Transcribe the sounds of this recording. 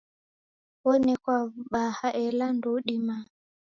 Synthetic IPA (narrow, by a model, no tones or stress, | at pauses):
wɔnɛkwaɓahaʔɛlanduɗima